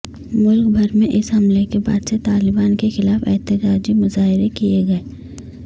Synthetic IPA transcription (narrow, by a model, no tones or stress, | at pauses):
mʊlkbʱɐɾmẽʔɪsɦɐmlekeba̰ːd̪set̪aːlɪbaːnkexɪlaːfɛːt̪ɪd͡ʒaːd͡ʒimʊzaːɦɪɾekijeɡɐeː